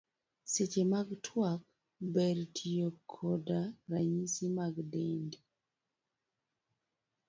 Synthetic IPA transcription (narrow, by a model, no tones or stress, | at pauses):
set͡ʃemaɡtʰwak̚ | bɛɾtʰijokʰːodaɾaɲisimaɡdendi